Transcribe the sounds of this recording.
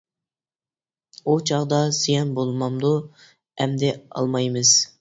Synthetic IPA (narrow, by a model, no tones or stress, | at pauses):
ut͡ʃʰɑʁd̪ɑsijɛnbolˠmɑmd̪u | ɛmd̪ɛɑ̰lˠmɑjmɨz̥